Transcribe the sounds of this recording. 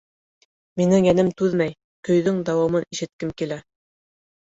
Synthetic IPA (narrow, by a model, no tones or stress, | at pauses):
minɘŋjænɘmt̪ʉðmæj | kɵ̆jðɵŋd̪ɑwɑmɤniʃɘ̆t̪̚kɘmkilæ